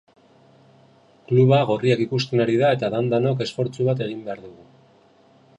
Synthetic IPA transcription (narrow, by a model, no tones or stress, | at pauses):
kluβaɣo̞riakikust̪e̞naɾiðae̞t̪aðand̪anoke̞sfo̞ɾt͡suβat̪e̞ɣ̞imbe̞aɾðuɣu